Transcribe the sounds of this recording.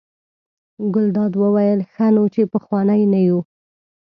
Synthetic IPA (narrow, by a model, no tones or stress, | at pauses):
ɡʊld̪ɑd̪wəwajəlxanot͡ʃepəxwɑnajnaju